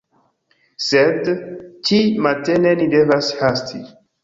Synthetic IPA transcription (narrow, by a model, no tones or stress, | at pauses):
sedt͡ʃimatenenide̞vashastʰi